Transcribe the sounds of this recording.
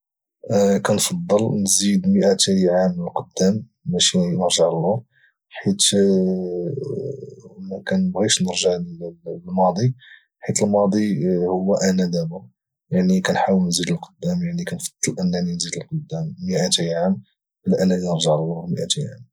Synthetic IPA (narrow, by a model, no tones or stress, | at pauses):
kænfɑd̪ˤːəlnzid̪məʔæt̪əjʕamnəlqod̪ːæmː | æʃinəɾʒəʕlːu | ħit̪ | mækænəbɣiʃnəɾʒəʕlmɑd̪ˤi | ħit̪əlmɑd̪ˤihʊwːæʔænæd̪æbʊ | jaʕnikænħawəlnzid̪əlqəd̪ːæmjaʕnikænfɑ̥d̪ˤːəlʔənːæninzid̪əlqod̪ːæmːəʔæt̪əjʕam | bəlʔænælinəɾʒəʕlːuməʔæt̪əjʕam